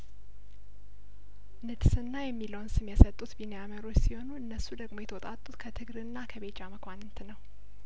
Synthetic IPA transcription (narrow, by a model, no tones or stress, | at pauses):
nɨd̪sɨnːajɛmːiləwnsɨmjɛsət̪ʼːut̪binejaməɾo̞t͡ʃːsiho̞nuɨnːəsːud̪əɡmo̞jɛt̪ʰəwɔt̪ʼat̪ʼːut̪kʰət̪ʰɨɡɾɨnːakʰəβe̞t͡ʃʼːaməkʷʰanɨnt̪ʰɨnəw